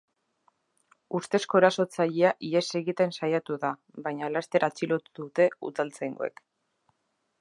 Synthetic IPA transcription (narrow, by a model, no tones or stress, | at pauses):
ust̪e̞sko̞eɾaso̞t͡saʎeaʔiese̞ɣit̪e̞nsajat̪uða | βajɲalast̪e̞ɾat͡silo̞t̪uðut̪e̞ṵðalt͡sajŋɡo̰e̞̰k